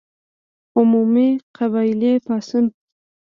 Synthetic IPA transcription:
ʊmumiqʰaβɑɪlepɑsʊn

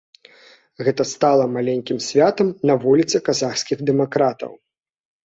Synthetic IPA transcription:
ɣɛt̪ɐst̪alˠɐmalʲɛnʲkʲimsʲvʲat̪ɐmnɐvulʲit̪sɨkazaxsʲkʲiɣd̪ɛmakɾat̪ɐ̰w

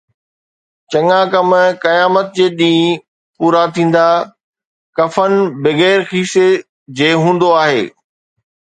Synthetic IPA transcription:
t͡ɕɐŋãkɐmkɐjaːmət̪̚d͡ʑeːɗĩː | puːɾat̪ʰĩːn̆d̪a | kɐfənbɪɣɛːɾxiːse | d͡ʑeːɦũːn̆d̪oaːɦeː

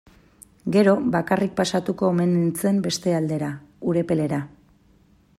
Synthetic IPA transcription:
ɡe̞ɾo̞bakarik̚pasat̪uko̞ːme̞nent͡se̞mbe̞st̪e̞ald̪e̞ɾauɾe̞pe̞le̞ɾa

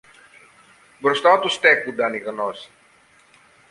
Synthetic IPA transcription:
bɾɔst̪at̪ust̪ɛkud̪anikənɔs

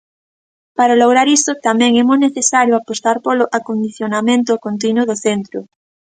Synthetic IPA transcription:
paɾaloɣ̞ɾaɾist̪ot̪amẽŋemozneθesaɾjoapost̪aɾpoloʔakond̪iθjonamẽnt̪okont̪̬inwoðoθent̪ɾo

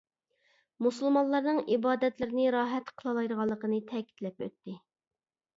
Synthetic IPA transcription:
musɨlˠmɑnlˠɑɾnɨŋibɑːd̪ɛt̪lɪɾɪnɪɾɑːɦɛt̪qʰəlˠɑlˠɑjɾəʁɑlˠːəqənɨt̪ʰɛkʲi̥t̪lɛpø̰t̪ːɪ

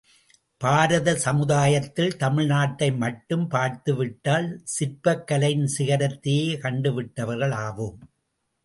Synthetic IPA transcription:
paːɾɐðɐsɐmɯðaːjɐt̪ːɪlt̪ɐmɪɻnaːʈːɐɪmɐʈːɯmpaːɾt̪ɯʋɪʈːaːlsɪɾpɐkːɐlɐjnsɪɣɐɾɐt̪ːɪjeːkɐɳɖɯʋɪʈːɐʋɐɾɣɐɭaːʋɯm

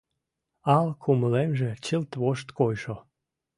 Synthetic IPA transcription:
ɑlkʰuməlemʒet͡ɕəlt̪βoʃt̪kojʃo

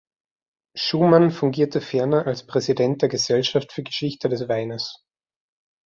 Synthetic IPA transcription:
ʃuːmanfʊŋɡiːɐtʰəfɛɐnɐʔalspʁ̥ɛzidɛnt̚d̥eːɐɡəzɛlʃaftfyːɐɡəʃɪçtədɛsv̥aɪnəs

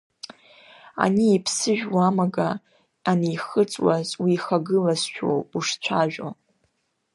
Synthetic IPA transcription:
a̰niipʰsɨʒᶣwamaɡa | anejχət͡sʼwazwiːχaɡɨlasʃᶣo̰wuʂt͡sʷʰaʒᶣo̰

